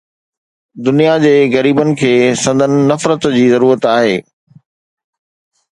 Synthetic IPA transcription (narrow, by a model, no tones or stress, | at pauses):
d̪ʊnijad͡ʑeːɣɐɾiːbənɪ̆kʰeːsɐ̃nd̪ʱənɪ̆nɐfɾət̪d͡ʑiːzɐɾuːɾət̪aːɦeː